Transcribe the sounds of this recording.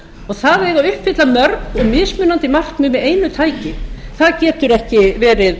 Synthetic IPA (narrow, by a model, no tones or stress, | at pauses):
ɔɣθaðɛɣaʏhpfɪt̪lamœɾkɔɣmɪðsmʏːnant̪ɪmar̥kmɪmɪðeːjnʏt̪ʰaːjcɪθaðcɛːt̪ʏɾɛhcɪvɛːɾɪð